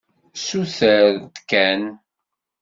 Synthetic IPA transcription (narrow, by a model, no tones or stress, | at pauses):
suθəɾt̪kæn